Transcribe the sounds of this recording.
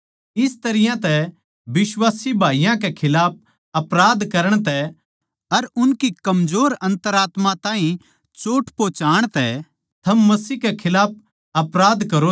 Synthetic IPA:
ɪst̪ɐɾɪjãt̪ɛ | bɪswaːsibʱaːijãkɛkʰɪlaːp̚ | ɐpɾaːd̪kɐɾəɽ̃t̪ɛ | ɐɾʊnkikɐmd͡ʒoːɾɐ̃nt̪əɾaːt̪mãt̪ãːɦĩ | t͡ʃoːʈʰpoːt͡ʃaːɽ̃t̪ɛ | t̪ʰɐmːɐsiːkɛkʰɪlaːp̚ | ɐpɾaːd̪kɐɾo

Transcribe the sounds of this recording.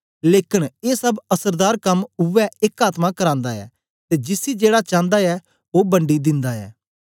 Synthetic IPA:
leːkɪneːsəbəsəɾd̪aːɾkəmʊʋɛːɪkaːt̪mãːkəɾãːnd̪aːɛ̰ː | t̪eːd͡ʒɪsiːd͡ʒeːɽaːt͡ʃãːnd̪aːɛː | oːbəɳɖiːd̪ɪnd̪aːɛ̰ː

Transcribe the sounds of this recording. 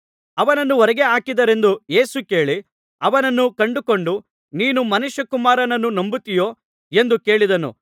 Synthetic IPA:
ɐʋɐnɐnːuʋɔɾɛɡeaːkid̪ɐɾe̞nd̪uje̞ːsuke̞ːɭi | ɐʋɐnɐnːukɐɳɖuko̞ɳɖu | niːnumɐnuʃjɐkumaːɾɐnɐnːunombut̪ijoː | e̞nd̪uke̞ːɭid̪ɐnṵ

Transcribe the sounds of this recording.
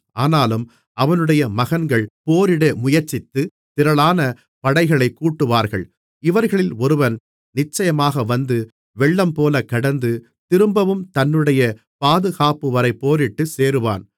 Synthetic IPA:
aːnaːlɯm | ɐʋɐnɯɽɐjɐmɐɣɐnɡɐɭpoːɾɪɽɐmʊjɐɾt͡ʃːɪt̪ːɯ | t̪ɪɾɐɭaːnɐ | pɐɽɐɪɣɐɭɐɪkːuːʈːɯʋaːɾɣɐ̰ɭ | ɪʋɐɾɣɐɭɪlɔɾɯʋɐn | nɪt͡ʃːɐjɐmaːɣɐʋɐnd̪ɯ | ʋɛɭːɐmpoːlɐkːɐɽɐnd̪ɯ | t̪ɪɾɯmbɐʋɯmt̪ɐnːɯɽɐjɐ | paːðɯɣaːpɯʋɐɾɐɪpːoːɾɪʈːɯseːɾɯʋa̰ːn

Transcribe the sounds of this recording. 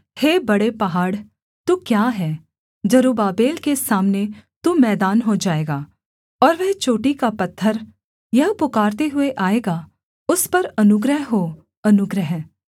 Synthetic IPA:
heːbɐɽepɐɦaːɽ | t̪uːkjaːɦɛː | d͡ʒɐɾuːbaːbeːlkesaːmnet̪umɛːd̪aːnɦod͡ʒaːeːɡaː | ɔːɾʋɛɦt͡ʃoːʈikapɐt̪ʰːəɾ | jɐɦpʊkaːɾt̪eɦʊeʔaːeːɡa | ʊspɐɾɐnʊɡɾəɦɦoː | ɐnʊɡɾəɦ

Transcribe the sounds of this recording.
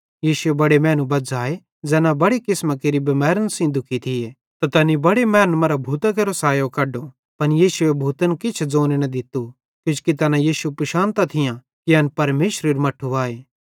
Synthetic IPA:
jiːsʊebɐɽemɛ̃ːnũbɐd͡zaːe | d͡zɛːnãbɐɽikɪsmakeɾibɐmɛːɾənsĩd̪ʱʊkʰit̪ʰɪje | t̪ɐt̪ɐnibɐɽemɛːnmɐɾabʱuːt̪akeːɾosaːjokɐɖo | pɐnjiːsʊebʱuːt̪ənkɪt͡ʃʰd͡zoːnenɐd̪ɪt̪u | kjʊ̃t͡ʃkit̪ɐnajiːsupɾɐʃãːnt̪at̪ʰɪjã | kiɐnpɐɾmeːʃɾeɾumɐʈʰːuʋaːeː

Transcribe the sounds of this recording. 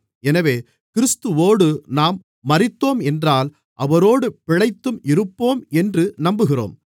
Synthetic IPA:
ɛnɐʋeː | kɪɾɪst̪ɯʋoːɽɯnaːmː | ɐrɪt̪ːoːmɛndraːl | ʔɐʋɐɾoːɽɯpɪɻɐɪt̪ːɯmɪɾɯpːoːmɛndrɯnɐmbɯɣɪro̰ːm

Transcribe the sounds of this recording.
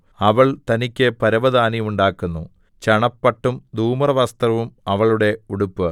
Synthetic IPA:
ɐʋɐɭt̪ɐnikʲːɨpɐɾɐʋɐd̪aːniuɳɖaːkːunːu | t͡ɕɐɳɐpːɐʈːumd̪uːmɐrɐʋɐst̪rɐʋumɐʋɐɭuɽe̞uɽupːɨ

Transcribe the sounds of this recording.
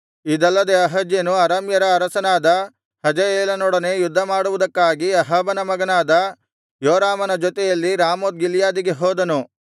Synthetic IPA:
id̪ɐlːɐd̪e̞ɐɦɐd͡ʒjɐnuɐɾɐːmjɐɾɐːɾɐsɐnaːd̪ɐ | hɐd͡ʒɐeːlɐnɔɽɐne̞jud̪ʱːɐmaːɽuʋud̪ɐkːaːɡiɐɦɐbɐnɐmɐɡɐnaːd̪ɐ | joːɾaːmɐnɐd͡ʒɔt̪ɛjɐlːiɾaːmoːd̪̚ɡiljaːd̪iɡe̞ɦoːd̪ɐnu

